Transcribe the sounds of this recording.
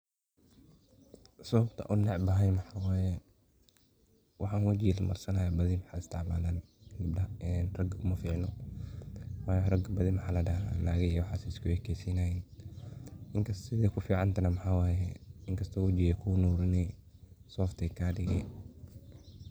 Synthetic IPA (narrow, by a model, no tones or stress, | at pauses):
sɐβɐbt̪ʰɐ̰ʔʊnːɛʕbɐɦɐjmɐħaːwaːjɛ | wʔɑħɑːnwɐt͡ʃɪjɛlmɐ̰rsɐnaːjabɐðɪmħaːɪst̪ʰɑʕma̰ːlaːnɡɪb̚dɐɐnrɐɡʊmɐfiːʕnɔ | wɐːjɔrɐɡɐbɐðimɐħaːlɐɖɐɦa̰laːɣɛjwɑħaːsɛɪskʰʊɛkʰɛːsiːnaːjɛn | ʔɪŋkʰɐsɪðɛkʰʊfiːʕɑnt̪ʰɐnɐmɐħaːwaːjɛɪŋkʰɐst̪ʰɔːwɐt͡ʃɪjɛkʰuːnuːɾɪnɛsɔːft̪ʰɛkʰaːɖɪɣɛ